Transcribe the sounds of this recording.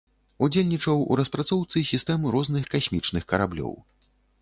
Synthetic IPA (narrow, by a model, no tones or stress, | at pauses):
ud͡zʲelʲnʲit͡ʂɐwṵɾɐspɾat̪sɔwt̪sɨsʲist̪ɛmɾɔznɨxkasʲmʲit͡ʂnɨxkɐɾablʲɔ̰w